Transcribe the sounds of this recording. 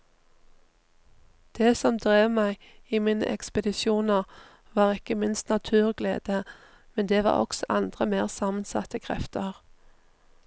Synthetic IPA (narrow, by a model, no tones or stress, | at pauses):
d̪̥eːsɔmd̪ʁeːʋmæɪiːmiːnə̰ʔɛkspəd̪ɪsjuːnəʁ | ʋɑːʁɪkəmɪnst̪nɑt̪ʰʉːʁɡlḛːd̪̥ə | mɛnd̪eːʋɑ̰ːʁɔ̰ksɔʔɑnd̪ʁəmeːʁsɑːmənsɑ̰t̪əkʰʁɛ̰ft̪əʁ